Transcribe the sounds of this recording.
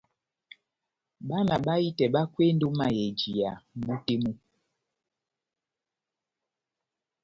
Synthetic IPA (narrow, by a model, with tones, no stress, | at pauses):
ɓa˦na˨ɓa˦i˦tɛ˨ɓa˦kwe˦n˦do˦ma˨jɛ˨d͡ʒi˨ja˨m̩˨ɓu˦te˦mu˦